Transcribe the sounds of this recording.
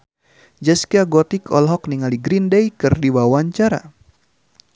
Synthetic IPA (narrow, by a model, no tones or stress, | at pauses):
d͡ʒaskiaɡɔt̪ikɔlɦɔk̚niŋaliɡɾindejkɨrdiwawaɲt͡ʃaɾa̰